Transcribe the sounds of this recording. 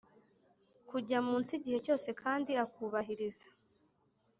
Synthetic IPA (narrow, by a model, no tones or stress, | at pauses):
kuɟamuːnt͡siɟihe̞co̞ːse̞kʰaːndiakuβaɦiɾizḁ